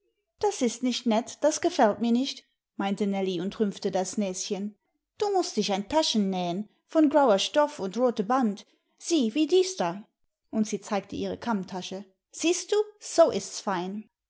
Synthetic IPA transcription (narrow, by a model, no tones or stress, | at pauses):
d̥asɪstnɪçtnɛtd̥asɡ̥əfɛltmiːɐnɪçt | maɪntənɛliʊntʁʏmftədasnɛːsçən | d̥uːmʊstd̥ɪçaɪntʰaʃn̩ːɛːən | fɔnɡʁaʊɐʃtɔfʊntʁoːtəbant | z̥iːviːdiːsd̥a | ʔʊntz̥iːt͡saɪk̚tʰəʔiːʁ̞ə̰kʰamtʰaʃə | z̥iːst̚d̥uːz̥oʔɪstsfaɪn